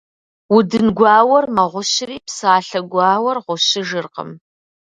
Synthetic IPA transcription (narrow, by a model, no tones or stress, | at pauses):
wʊdɨnɡʷɑːwɐrmɐʁʷʊɕɪriːpsaːɬɐɡʷɑːwɐrʁʷʊɕɪʒɨrqə̰m